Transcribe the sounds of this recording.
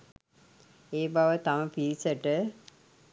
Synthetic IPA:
eːbaʋət̪aməpiɾisəʈə

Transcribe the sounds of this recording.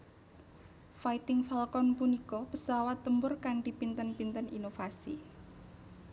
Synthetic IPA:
fait̪ɪŋfalkɔnpunikɔpəsawat̪ːəmbʊrkaɳʈipint̪ənpint̪əninofasḭ

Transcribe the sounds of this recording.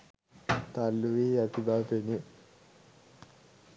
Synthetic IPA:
t̪alːuʋiːat̪ibaːpeni

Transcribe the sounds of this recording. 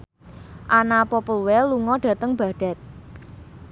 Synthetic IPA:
ʔanapɔpəlwɛluŋɔɖ̥a̤t̪əŋb̥ä̤ɖ̥ä̤t̪̚

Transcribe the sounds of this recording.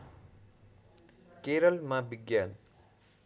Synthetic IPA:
keːɾɐlmabiɡjaːn

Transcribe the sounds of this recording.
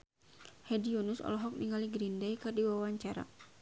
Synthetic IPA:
hɛdiɔnusɔ̰lɔɦɔk̚niŋaliɡɾindɛjkɨrdiwawaɲt͡ʃaɾa̰

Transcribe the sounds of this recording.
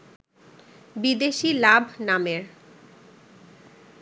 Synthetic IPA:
bid̪eʃilabʱnameɾ

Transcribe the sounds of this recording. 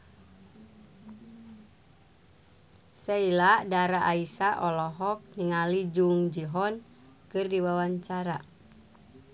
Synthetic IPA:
sailaʔdaɾaʔaisaʔɔlɔɦɔk̚niŋalid͡ʒuŋd͡ʒiɦɔn | kɨrdiwawaɲt͡ʃaɾa

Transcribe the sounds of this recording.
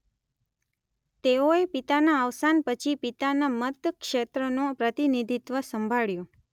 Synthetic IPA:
t̪eoepit̪anaəʋsanpət͡ʃʰipit̪anamət̪kʃet̪ɾənõpɾət̪inid̪ʱit̪ʋəsəmbʱaɭjo

